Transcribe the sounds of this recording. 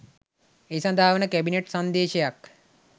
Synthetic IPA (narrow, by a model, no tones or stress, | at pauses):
ejsand̪ʱaːʋənəkæbineʈsand̪eːʃejak